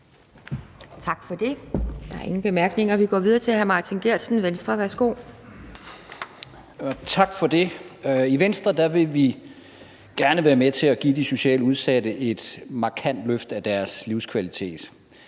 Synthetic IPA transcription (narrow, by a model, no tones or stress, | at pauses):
t͡sʰɑ̈ɡ̥fɒd̥e̝d̥ɑ̈æɐe̝ŋn̩b̥e̝mæɐɡ̥ne̝ŋɐʋiɡ̥ɒ̰ːʋiðˠɐt͡sʰe̝hæɐmɑ̈ːt͡sʰinɡ̥eɐ̰d̥sn̩ʋensd̥ʁɐʋæɐsɡ̥o̝̰ː | t͡sʰɑ̈ɡ̥fɒ̽d̥e̝iʋensd̥ʁɐd̥æʋe̝ʋi | ɡ̥æɐnəʋæːɐmet͡sʰe̝læɡ̥ḭːd̥iso̝ɕɛ̰ːləuð̞ˠsæɾəʔe̝d̥mɑ̈kʰæn̰d̥løfd̥æd̥æɐsliʊskʰʋælit͡sʰe̝̰ːd̥